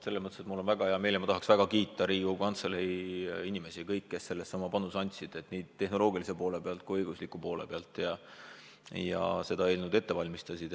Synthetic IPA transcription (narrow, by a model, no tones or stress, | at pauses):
se̞lːemɤt̪ːˑeset̪mulːo̞nvæɡ̥ɑɦeɑme̞lemɑt̪ɑɦɑksvæɡ̥ɑkiːt̪ːˑɑɾiːɡ̥ukɑnt̪seleiinʲime̞sikɤjkːe̞sːe̞lːe̞sːɑmːɑpɑnːusɑnʲt̪ʲsid̪̥e̞t̪niːd̪̥̚t̪e̞hno̞lo̞ːɡ̥ilis̬epo̞ːle̞peɑlt̪̚kuijɤjɡ̥uslikːˑupo̞ːlḛpeɑlt̪ːˑjɑ | jɑ̰se̞d̪ɑe̞ːlnud̪e̞t̪ːe̞vɑlʲmist̪ɑsʲid̪̥